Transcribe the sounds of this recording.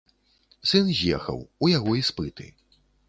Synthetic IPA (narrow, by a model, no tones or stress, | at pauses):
sɨnzʲjɛ̰xɐ̰wujaɣɔispɨt̪ɨ̰